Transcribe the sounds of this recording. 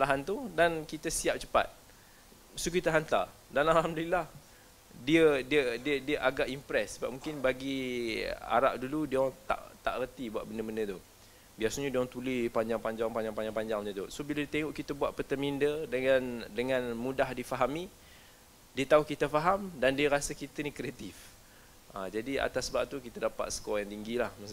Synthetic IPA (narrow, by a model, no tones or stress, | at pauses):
salaɦant̪udankit̪əsiap̚t͡ʃə̥pa̰t̪̚ | sukit̪aɦant̪a̰danalɦamdəlilah | diədiədiədiəʔaɡaʔimpɾɛsːəba̰p̚mũŋkɪnbaɡi | a̰ɾa̰ʔ̚duludiaŋt̪a̰ʔt̪a̰ʔərt̪ibua̰ʔ̚bəndəməndət̪u | biasaɲadiaŋt̪ulipaɲd͡ʒaŋpaɲd͡ʒaŋpaɲd͡ʒaŋpaɲd͡ʒaŋpaɲd͡ʒaŋmɲət̪usobilədit̪eŋɔʔkit̪əbuaʔ̪pət̪əmindədəŋandəŋãnmudahdifaɦami | diət̪auhkit̪əfaɦamdandiəɾasəkit̪ənikɾeat̪if | ʔad͡ʒadia̰t̪asbaʔ̚t̪ukit̪adapa̰t̪̚sə̥kɔjaŋt̪iŋɡilahmas